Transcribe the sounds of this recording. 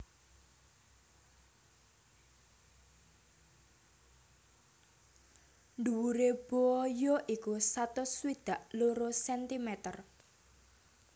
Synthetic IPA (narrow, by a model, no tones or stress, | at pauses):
nd̪uwuɾeb̥ojɔʔikusat̪ʊswid̪̥a̤ʔloɾosɛnt̪imɛt̪ər